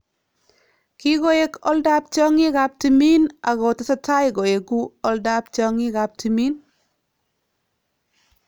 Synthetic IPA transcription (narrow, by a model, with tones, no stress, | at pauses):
kɪ˦ɡo˦e˨kɔ̰˦lda˦p̚t͡ʃɔ˦ŋɪ˦ɡa˦p̚ti˨mi˦na˨ɣo˨ta˦sa˦ta˦jɡo˨e˨ɡu˦ɔ˦lda˦pt͡ʃɔ˦ŋɪ˦ɡa˨p̚ti˨mi˦n